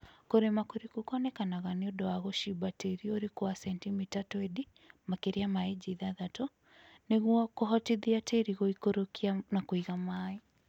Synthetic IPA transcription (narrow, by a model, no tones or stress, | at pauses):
koɾemakoɾikokɔnɛkanaɣaneodɔwaɣoʃibateɾioɾekoasɛntimitatɔedi | makeɾiamaed͡ʒiðaðatɔ | neɣwakoɦɔtiðiateɾiɣoikoɾokianakoiɣamaːi